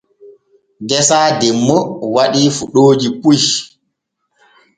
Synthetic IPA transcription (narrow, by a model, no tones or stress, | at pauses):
dɛsaːdɛmːɔwaɗiːfuɗoːd͡ʒipuʃ